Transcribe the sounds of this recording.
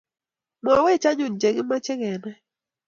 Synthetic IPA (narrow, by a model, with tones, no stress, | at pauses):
mɔ˨˦we˦˨t͡ʃa˦ɲʊ˨n˨d͡ʒe˨ɡɪ˦ma˦t͡ʃɪ˦kɛ˨nɛ˦